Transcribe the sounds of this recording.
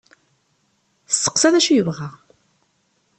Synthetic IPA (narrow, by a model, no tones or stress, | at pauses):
θə̥sːə̥qsæðæʃujəvʁæ